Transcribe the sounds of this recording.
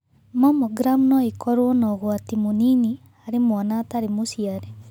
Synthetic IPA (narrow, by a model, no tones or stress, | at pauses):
mamoɡɾamnɔikɔɾwɔnɔɣwatimonini | aɾemwanaːtaɾemosiaɾɛ